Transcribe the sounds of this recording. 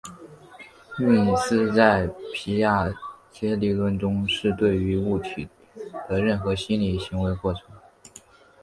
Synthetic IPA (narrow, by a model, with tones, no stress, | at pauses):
mu˥˩i˨˩sɹ̩˥t͡sa˥˩ɪpʰi˧˥ja˥˩t͡ɕjɛ˥li˧˥lwə˥˩nʈ͡ʂʊ˥ŋʂɻ̩˥˧t̪we˥˩ɪy˧˥u˥˩t͡ɕʰy˨˩ | t̪ə˧ɻə˥˩nxɤ˧˥ɕi˥nli˨˩ɕi˧˥ŋwe˧˥ɪkwɔ˥˩ʈ͡ʂʰɤ˧˥ŋ